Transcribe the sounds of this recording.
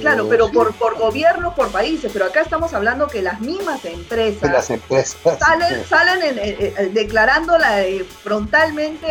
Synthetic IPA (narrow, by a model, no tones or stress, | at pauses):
klaɾo̞pe̞ɾo̞poɾpoɾɣo̞βje̞ɾnopo̞ɾpaisespe̞ɾo̞akaest̪amo̞saβland̪o̞ke̞lazmizmasempɾe̞salasempɾesassalensalenened̪e̞klaɾand̪o̞laefɾo̞nt̪almẽ̞nt̪e